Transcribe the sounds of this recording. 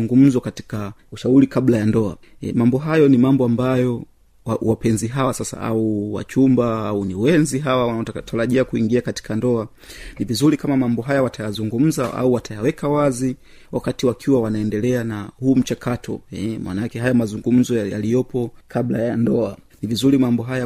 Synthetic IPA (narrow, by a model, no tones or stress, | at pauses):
uŋɡum̩zɔkati̥kauʃauɾikablajandɔa̰ | ɛmambɔɦajɔnimambɔambajɔ | wawapɛnziɦawasasa̰ʔa̰uwa̰t͡ʃumbaauniwɛnziɦawawataɾaʄiakuiŋɡiakati̥kandɔa | nivizuɾikamamambɔɦajawatajazuŋɡum̩zaʔa̰uwatʰajawɛkawazi | wakatiwakʰiwawanaɛndɛlɛanahuːm̩t͡ʃakatɔ̰ɛmwa̰naakɛɦajamazuŋɡum̩zɔja̰lijɔpɔkʰablajandɔanivizuɾimambɔɦaja